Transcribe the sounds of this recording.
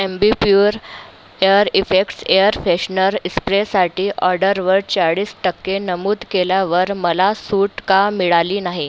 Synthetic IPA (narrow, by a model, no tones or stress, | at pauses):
embipjuːɾ | eəɾifekʈsejəɾfeɕnəɾispɾesaʈiːʔɔɾɖəɾʋəɾt͡ɕaɽiːsʈəkːenəmuːd̪keljaʋəɾməlasuːʈkamiɭaliːnaɦi